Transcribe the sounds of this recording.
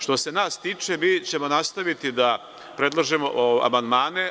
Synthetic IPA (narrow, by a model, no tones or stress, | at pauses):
ʃt̪o̞se̞naːst̪iːt͡ʂemiːt͡ɕe̞mo̞nast̪aʋit̪id̪a | pɾe̞d̪lˠaʒemo̞ʔoa̰mand̪maːne̞